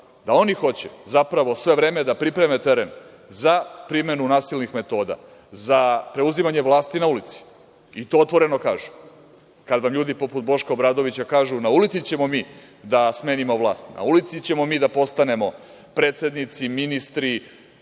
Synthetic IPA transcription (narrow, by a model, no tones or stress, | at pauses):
d̪ao̞nixo̞t͡ɕezapɾaʋo̞sʋe̞ʋɾe̞ːme̞d̪apɾipɾe̞met̪eɾe̞n | zapɾime̞nunaːsilnixme̞t̪o̞ːd̪a̰ | zapɾe̞uzimaɲe̞ʋlˠaːst̪inaulit̪si̥ | it̪o̞ot̪ʋo̞ɾe̞no̞kaːʒu | kad̪ʋamʎuːd̪ipo̞put̪̚bo̞ʃkaobɾaːd̪o̞ʋit͡ɕakaːʒunaulit̪sit͡ɕe̞mo̞miː | d̪asme̞ːnimo̞ʋlˠa̰ːst̪na̰ulit̪sit͡ɕe̞mo̞miːd̪apo̞st̪ane̞mo̞ | pɾe̞ːt̪se̞d̪nit̪siminist̪ɾi